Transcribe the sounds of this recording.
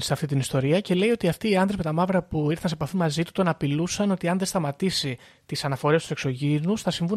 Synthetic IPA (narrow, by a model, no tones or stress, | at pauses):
seɐft̪it̪inist̪o̞ɾiɐce̞le̞io̞t̪iɐft̪iːɐndðɾepmet̪ɐmɐvɾɐpuiɾθɐnse̞pɐfimɐzit̪u̥t̪o̞nɐpilusɐno̞t̪iɐnðe̞st̪ɐmɐt̪isi | t̪isɐnɐfo̞ɾest̪u̥sekso̞ʝinusθɐsiɱvu